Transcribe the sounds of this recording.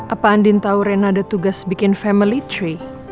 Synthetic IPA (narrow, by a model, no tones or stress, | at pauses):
ʔapaːndɪnt̪auɾɛnadat̪uɡasbikɪnfɛmilit͡ʃɾi